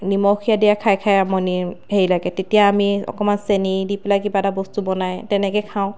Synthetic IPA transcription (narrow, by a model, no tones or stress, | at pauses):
nimɔkʰijadijakʰajkʰajamɔniheɹilaɡɛtetijaːmiɔ̰kɔmansenidipelakibatabɔstubɔnajtɛnɛkɛkʰaʊ̃